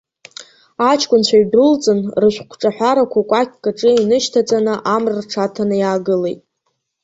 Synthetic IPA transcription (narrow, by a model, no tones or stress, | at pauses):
at͡ʃʰkʷʼʊnt͡ɕʷʰaɥdrɨlt͡sʼɨnrɨʃʷᶣkʷʰʈ͡ʂʼaħʷᶣaɾakʷʰakʷʼakʲʰkʼaʈ͡ʂʼɨinɨʃtʰat͡sʼanɨʔamrɨrʈ͡ʂʰatʰanɨjaːɡɨle̞̰jtʼ